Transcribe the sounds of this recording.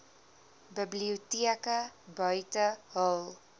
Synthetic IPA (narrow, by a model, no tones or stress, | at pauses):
bəbliutiəkəbœɥtəɦəlˠ